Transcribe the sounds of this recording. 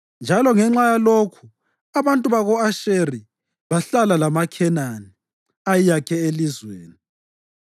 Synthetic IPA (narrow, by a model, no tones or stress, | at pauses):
nd͡ʒʱalɔŋɛŋ͡ǁajalokʰu̥ | aβantʼuβaɣɔaʃeri | βaɬalalamakʰɛnani | ajijakʰɛelizwḛːni